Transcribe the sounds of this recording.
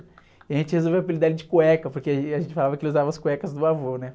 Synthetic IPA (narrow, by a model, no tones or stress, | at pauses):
iaʒẽnt͡ʃɪhezowvewɐp̬ilid̪ad͡ʒɪd͡ʒɪkoɛkɐpoɾkeaʒẽnt͡ʃɪfalavɐkɪelɪuzavɐskoɛkɐzd̪ʊavonɛ